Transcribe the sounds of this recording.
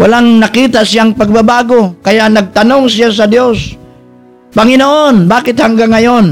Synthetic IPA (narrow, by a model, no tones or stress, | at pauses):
walaŋnakiːt̪aʔsɪjaŋpaɡ̚babaːɡokajaʔnɐɡ̚t̪anoŋs̬ɪjas̬ad̪jos | paŋɪnoʔonbaːkɪt̪haŋɡaŋːajon